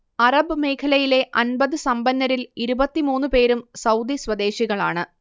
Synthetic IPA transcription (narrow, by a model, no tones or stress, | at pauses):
ɐrɐbɨme̞jkʰɐlɐjile̞ʔɐnbɐðɨsɐmbɐnːɐɾiliɾubɐt̪ːimuːnːɨpe̞ːɾumsɐwd̪isʋɐd̪e̞ːɕiɣɐɭaːɳɨ